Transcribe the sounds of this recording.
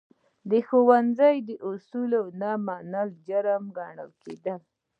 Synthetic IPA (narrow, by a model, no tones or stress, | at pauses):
d̪əxowanzajd̪əʔʊsulawnamanald͡ʒaɾəmɡɑɳə̰lked̪əl